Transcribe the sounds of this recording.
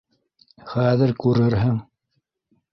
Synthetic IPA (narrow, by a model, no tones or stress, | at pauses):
χæðɘɾkʉɾɘɾɦɘŋ